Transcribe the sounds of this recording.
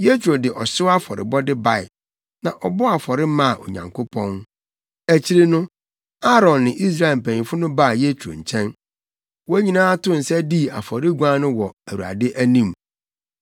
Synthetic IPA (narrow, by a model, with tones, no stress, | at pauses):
je˦t͡ɕʰᶣu˨ɾo˨dɪ˨ʔɔ˨ɕɪ˦a˦fɔ˨ɾɪ̰˨bɔ˦dɪ˦ba˨ɪ̰˨ | nã˨ʔɔ˨bɔ˦a˨fɔ˨ɾɪ˦mã˦˨ʔo̰˨ɲã̰˨ŋkʰʊ˦pʰɔ̃˦n | æ˨t͡ɕʰi˦ɾe˦nʊ̃˦ | a˦ɾɔ̃˨nːɪ̃˨ʔi˦s̬ɾa˦˨e˨m̩˨pʰæ̃˨ɲĩ˨fʊ˦nʊ̃˦ba˦˨je˦t͡ɕʰu˨ɾo̰˨ɲ̩˨t͡ɕʰɛ̃˦n | wɔ˦æ˦ɲĩ˨nãː˦a˦tʰʊ̃˦n̩˨sɛ˦di˦˨a̰˨fɔ˨ɾɪ˦ɡʷã˦nʊ̃˦wɔ˨æ˨wu˨a̰˨dɪ˦ʔæ˦nĩ˦m